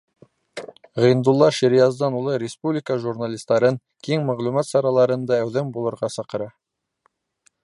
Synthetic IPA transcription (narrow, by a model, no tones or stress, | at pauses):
ʁɤ̆jnd̪ulˠːɑʃiɾijɑzd̪ɑnulˠɤɾʲɪspublʲiɪkəʒurnalʲist̪ɑɾɤŋ | kiŋmæʁlumɑt̪sɑɾɑlˠɑɾɤ̆nd̪ɑæwðæmbulˠɤ̆ɾʁɑsɑqɤ̆ɾɑ